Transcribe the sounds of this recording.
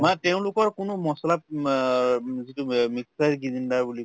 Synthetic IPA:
matɛʊ̃lʊkɔɹkʊnʊmɔsɔlap̚ | zitumiksajɹɡizindaɹbuli

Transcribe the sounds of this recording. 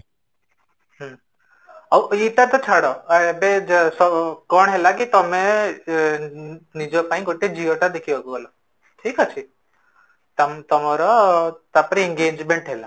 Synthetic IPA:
ɦə | aʋit̪at̪ɔt͡ʃʰaɽɔbesɔkɔɳ̃ɦelakit̪ɔmẽ | nid͡ʒopaĩkoʈed͡ʒiɔʈad̪ekʰiʋaɡuɡɔlɔ | ʈʰiːkɦət͡ʃʰi | t̪amt̪ɔmɔɾɔt̪apəɾieŋɡeːd͡ʒmeɳʈɦela

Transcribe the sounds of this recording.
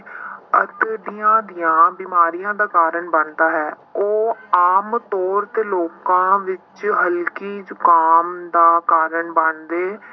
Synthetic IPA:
ə̰t̪ɖijãːd̪ijãːbiːmaːɾijãːd̪aːkaːɾəɳbəɳd̪aːɦɛː | oːaːmt̪ɔːɾt̪eːloːkãːʋɪt͡ʃɦəlkiːd͡ʒʊkaːmd̪aːkaːɾəɳbənd̪eː

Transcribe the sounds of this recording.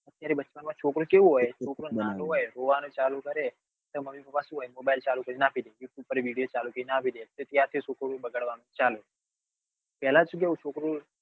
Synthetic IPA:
ɐt̪ːjaːɾebɐt͡ʃpənmãt͡ʃʰoːkɾokeooet͡ʃʰoːkɾonãnoeɾoːʋaːnot͡ʃaːlukɐɾe | t̪ɐmɐmikɐpasuɦoemoːbaːɪlt͡ʃaːlukɐɾenaːpʰid̪ejuːʈjuːb̚pɐɾeʋiːɖijot͡ʃaːlukɐinapʰid̪et̪et̪jaːt̪ʰesoːkoɾobɐɡəɽʋaːnot͡ʃaːlo | pɛːlat͡ʃuɡeot͡ʃʰoːkɾo

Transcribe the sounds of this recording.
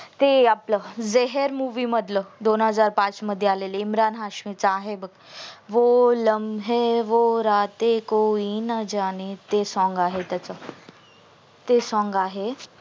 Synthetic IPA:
t̪eapləzeɦəɾmuʋiːməd̪ʱləd̪onɦəd͡zaːɾpat͡sməd̪ʱjəaleleimɾaːnɦaɕmit͡saɦebəɡʋoləmɦeʋoɾat̪ekoinəd͡ʑanet̪esɔ̃ŋɡaːɦet̪ət͡sə | t̪esɔ̃ŋɡaːɦe

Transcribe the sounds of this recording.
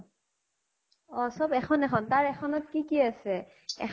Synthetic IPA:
ɔsɔbɛxʰɔnɛxʰɔntaɹɛxʰɔnɔt̚kikiasɛ | ɛ̰

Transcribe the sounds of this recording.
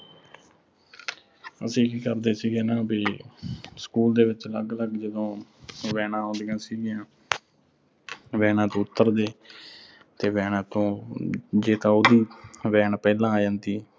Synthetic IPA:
ə̰sĩːkiːkəɾd̪eːsiːɡeːnaːbiː | skuːld̪eːʋɪt͡ʃləɡləɡd͡ʒəd̪õːʋɛːnãːɦõːd̪ejãːsiːɡɪjãː | ʋɛːnãːt̪õːʊt̪ːəɾd̪eː | t̪eːʋɛːnãːt̪õː | d͡ʒeːt̪ãːoːd̪iːʋɛːɳpɛːlãːaːd͡ʒãːnd̪iː

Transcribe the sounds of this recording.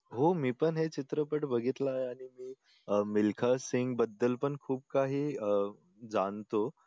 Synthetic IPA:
ɦomiːpəɳɦet͡ɕit̪ɾəpəʈbəɡʱit̪laɦeaɽ̃imiː | milkʰasiŋɡbəd̪ːəlpəɳkʰuːb̚kaɦiː | d͡zant̪o

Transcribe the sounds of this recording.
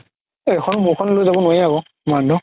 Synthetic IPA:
ɛxʰɔnmukʰɔnlojzabɔnajaɡɔ | mandʱɔ

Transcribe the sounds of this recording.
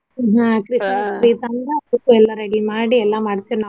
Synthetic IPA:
ɦakɾɪsmaskɾiːt̪aːndɐɐðɯkːɯ̃ɛlːaːɾɛɽimaːɽiɛlːãːmɐɽɐt͡ʃːɯna

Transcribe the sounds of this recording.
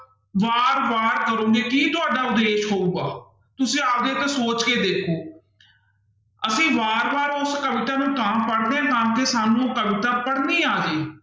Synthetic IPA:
ʋaːɾʋaːɾkəɾõːɡeːkiːt̪ʊaːɖaːʊd̪eːʃɦoːuːɡaː | t̪ʊsĩːaːpd̪eːt̪aːsoːt͡ʃkeːd̪eːkʰoː | əsĩːʋaːɾʋaːɾʊskəʋɪt̪aːnũːkampəɽd̪eãːkamkeːsaːnũːkəʋɪt̪aːpəɽniːaːd͡ʒeː

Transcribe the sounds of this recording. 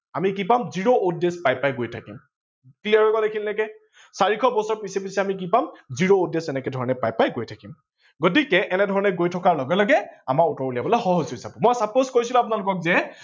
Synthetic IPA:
amik̬ipamziɹoudespajpajɡojtʰakim | kliaɹɔkɔdekʰilnɛkɛ | saɹikʰɔbɔsɔɹpisɛpisɛamik̬ipamziɹoudesɛnɛkɛdʱɔɹɔnɛpajpajɡojtʰakim | ɡot̬ikɛʔɛnɛdʱɔɹɔnɛɡojtʰɔkaɹlɔɡɛlɔɡɛamaɹutɔɹuliabɔlɔjxɔɦɔzʊisabɔmɔjsapozkojsilʊ̃apʊnalʊkɔk̚zɛ

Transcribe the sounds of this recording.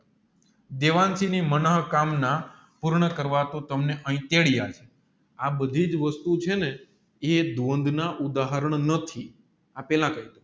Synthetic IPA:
d̪eʋansinimənəɦkamna | puɾɳəkəɾʋat̪ot̪əmneʔəĩt̪eɭijat͡ʃʰe | abəd̪ʱid͡ʒʋəst̪ut͡ʃʰene | ed̪ʋond̪ʱnaʔud̪aɦəɾəɳnət̪ʰi | apɛlãkəɦid̪o

